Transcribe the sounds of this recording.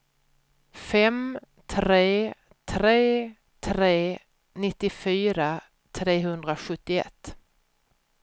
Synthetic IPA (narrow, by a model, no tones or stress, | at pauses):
fɛm | t̪ʰɾeː | t̪ʰɾeː | t̪ʰɾeː | nɪt̪ːɪfyːɾa | t̪ʰɾeːɦɵnd̪ɾaɧɵt̪ːɪɛ̰t̪ː